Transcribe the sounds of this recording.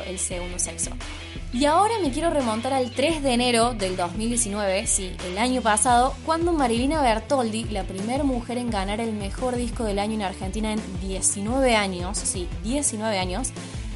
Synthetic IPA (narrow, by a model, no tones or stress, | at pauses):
ʔelseɣund̪osekso̰ | iaoɾame̞k̬jeɾo̞re̞mõnt̪aɾalt̪ɾe̞zðeːne̞ɾo̞ðe̞ld̪o̞zmild̪jesinwe̞βe̞si | elaɲo̞pasað̞o̞kwand̪o̞maɾilinaβeɾt̪old̪ilapɾimeɾmuxe̞ɾe̞ŋɡanaɾelmexo̞ɾðisko̞ð̞e̞laɲoenaɾxent̪inaend̪jesinwe̞βe̞aɲossid̪jesinwe̞βe̞aɲo̞s